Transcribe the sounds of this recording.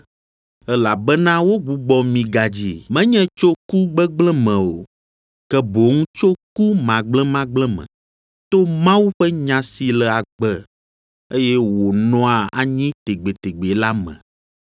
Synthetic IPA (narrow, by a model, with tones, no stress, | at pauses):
ɛ˦la˨bɛ˦nã˦wo˦ɡ͡bu˨˦ɡ͡bɔ˦mĩ˨ɡa˨d͡ʑi˨mɛ̃˦ɲɛ̃˦t͡ʃo˦ku˦ɡ͡bɛ˦ɡ͡blɛ̃˦mɛ̃˨o˨ | kɛ˦bo˨ŋũ˦t͡ʃo˦ku˦mã˨ɡ͡blɛ̃˦mã˦ɡ͡blɛ̃˦mɛ̰̃˨ | t̪o˦mã˦wu˦ɸɛ˦ɲã˨si˨lɛ˨a˨ɡ͡bɛ˦ | e˦jɛ˦wo˨nɔ̃˦a˨a˨ɲĩ˦t̪e˨ɡ͡be˨t̪e˨ɡ͡be˨la˦mɛ̰̃˨